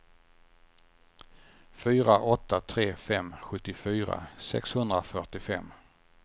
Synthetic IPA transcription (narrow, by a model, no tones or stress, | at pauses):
fyːɾaʔɔt̪ːat̪ʰɾeːfɛmːɧɵt̪ːɪfyːɾa̰sɛ̰kshɵnd̪ɾafœʈɪfɛ̰mː